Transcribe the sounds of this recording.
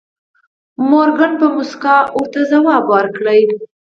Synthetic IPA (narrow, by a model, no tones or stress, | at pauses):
moɾɡaɳpəmʊskɑʊɾt̪azawɑbwaɾkɽəj